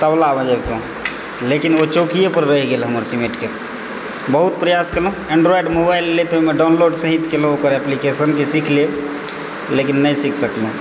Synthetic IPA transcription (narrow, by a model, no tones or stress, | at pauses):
t̪əblabə̃d͡ʒəbt̪õ | lekinot͡ʃokijepəɾːəɦiɡelɦəməɾsimeʈke | bəɦut̪̚pɾəjaskeloũẽɳɖɾoiɖmobaɪlːet̪oimeɖaʊnloɖsəɦit̪kelõokəɾɛplikesənkesikʰle | lekinːəjsikʰsəkl̃